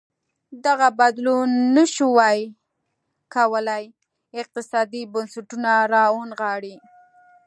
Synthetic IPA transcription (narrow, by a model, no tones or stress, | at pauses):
d̪aɣabad̪lunːəʃuwɑj | kawəlaj | ɪq̚t̪ɪsɑd̪ibʊnsaʈunaɾɑonɣɑɽi